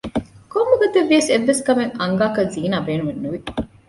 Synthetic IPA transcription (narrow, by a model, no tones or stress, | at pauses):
komːuɡɐt̪eʋːiɐseʋːeskɐmeŋɐŋɡaːkɐnziːnaːbeːnumenːuʋi